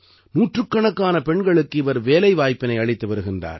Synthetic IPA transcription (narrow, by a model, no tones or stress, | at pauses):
nuːʈrɯkːɐɳɐkːaːnɐpɛɳɡɐɭɯkːɯɪʋɐɾʋeːlɐɪʋaːjpːɪnɐɪɐɭɪt̪ːɯʋɐɾɯɣɪndra̰ːɾ